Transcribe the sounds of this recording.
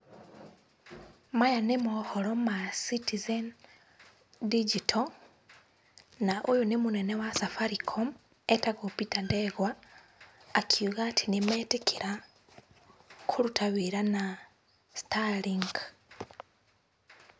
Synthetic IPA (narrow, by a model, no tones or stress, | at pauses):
majanemuholomasitizen | did͡ʒitʰo | naʔojunemunenewasafaɾikʰom | etakopitandeɣwaː | kʰiɣatʰinimetekʰiɾa | kʰulutʰaβiɾana | stʰaliŋɡ